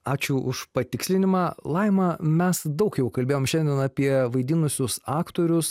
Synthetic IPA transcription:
ɑːt͡ʃʲʊʔʊʃpɐt̪ʲɪksʲlʲɪnʲɪmɑːlˠɐɪmɑmʲɛsd̪ɐʊkjɛʊkɐlʲbʲeːjoːmʃʲɛnʲd̪ʲɛnɑpʲiɛʋɐɪd̪ʲɪnʊsʲʊsɑːkt̪oːɾʲʊs

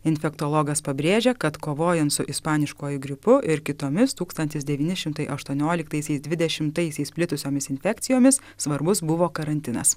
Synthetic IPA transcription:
ɪnʲfʲɛkt̪oːlˠɔːɡɐspɐbʲɾʲeːʒʲɛkɐt̪koːʋoːjɛnt̪sʊʔɪspɑːnʲɪʃkoːjʊɡɾʲɪpʊʔɪɾkʲɪt̪oːmʲɪst̪uːkst̪ɐnʲt̪ʲɪsd̪ʲɛʋʲiːnʲɪʃʲɪmt̪ɐɪʔɐʃt̪uɔnʲoːlʲɪkt̪ɐɪsʲɛɪsd̪ʋʲɪd̪ʲɛʃʲɪmt̪ɐɪsʲɛɪspʲlʲɪt̪ʊsʲoːmʲɪsɪnʲfʲɛkt̪sʲɪjoːmʲɪs | sʋɐɾbʊsbʊʋoːkɐɾɐnʲt̪ʲɪnɐ̰s

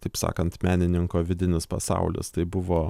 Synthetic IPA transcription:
t̪ɐɪpsɑ̰ːkɐnt̪mʲæːnʲɪnʲɪŋkoːʋʲɪd̪ʲɪnʲɪspɐsɑ̰ʊlʲɪ̰st̪ɐɪbʊʋoː

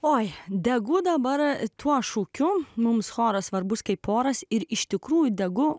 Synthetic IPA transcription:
oːjd̪ʲɛɡʊd̪ɐbɐɾt̪ʰuɔʃuːkʲʊmʊmsxoːɾɐsʋɐɾbʊskɐɪpʰːoːɾɐsɪɾɪʃt̪ʲɪkɾuːjʊd̪ʲɛɡʊ

